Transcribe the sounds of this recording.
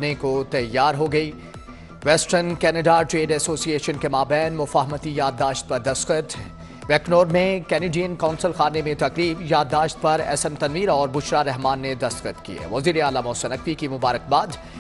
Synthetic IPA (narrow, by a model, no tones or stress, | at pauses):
nekot̪ɐjːaːɾɦoɡɐiː | ʋɛsʈənkɛːnəɖaʈɾeːɖɛsoːsieːʃənkemaːbɛːnmʊfaːɦmət̪ijaːd̪ːaːʃt̪̚pɐɾd̪ɐst̪xət̪ | ʋɛːknoːɾmẽkɛːneːɖiənkãʊnsəlxaːnemẽt̪ɐqɾiːbjaːd̪ːaːʃt̪̚pɐɾɛ̰ːsənt̪ɐnʋiːɾɔːɾbʊʃɾaɾɛɦmaːnːed̪ɐst̪kət̪kḭɛ̰ːʋɐziːɾeaːlamɔːsənɐk̚tikimʊbaːɾək̚baːd̪